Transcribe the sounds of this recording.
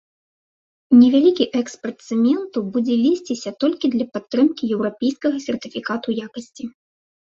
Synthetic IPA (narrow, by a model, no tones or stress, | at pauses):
nʲɛvʲalʲikʲiʔɛkspɐrt̪sɛmʲɛnt̪ubud͡zʲɛlʲisʲt͡sʲisʲɐt̪ɔlʲkʲid̪lʲɐpat̪ːɾɨmkʲijɛwɾapʲejskɐɣɐsʲɛrt̪ɨfʲikat̪ujakɐsʲt͡sʲi